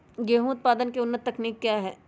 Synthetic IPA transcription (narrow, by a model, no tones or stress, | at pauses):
ɡeːɦũʊt̪̚paːd̪ənkeʊnːət̪ːɐkniːkːjaːɦɛː